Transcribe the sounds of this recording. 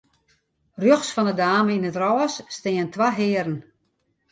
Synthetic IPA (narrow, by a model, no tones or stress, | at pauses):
rjoxsfɔndədaːməinətrɔːsːtɪːəntʰʋaɦɪːəɾən̩